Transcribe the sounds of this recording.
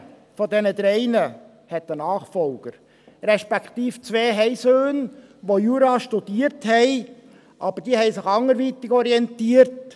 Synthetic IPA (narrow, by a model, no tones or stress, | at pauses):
fɔdɛnəd̪ɾɛɪnə | hɛt̪ənɑːχfɔlɡ̥əɾ | ɾɛʃpɛkt̪iːft͡sʋeːɦɛɪsøːn | ʋojuːɾɑʃtud̥iːəɾthɛɪ | ʔɑb̥əɾd̥iːhɛɪsɪχɑŋːəɾʋiːt̪ɪɡɔɾiɛntiːəɾt